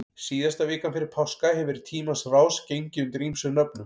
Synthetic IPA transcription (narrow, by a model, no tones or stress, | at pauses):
siːðast̪avɛːkanfɪɾɪɾ̥pʰawskahɛvɛɾɪ̥t̪ʰiːmasraːwscejɲcɪʏnt̪ɪɾimsʏnœpnʏm